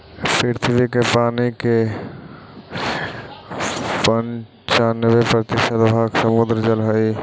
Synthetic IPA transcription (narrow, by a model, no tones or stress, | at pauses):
pɾɪɾt̪ʰbikepaːnike | pən | t͡ʃaːnʋepɾət̪ɪʃəd̪bʱaːɡsəmʊd̪ɾd͡ʒəlɦəi